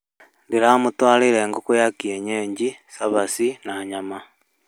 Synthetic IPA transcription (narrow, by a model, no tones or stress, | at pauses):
ndiɾamutwaːliɾeŋɡokujakieɲeɲɟisaβasinaɲama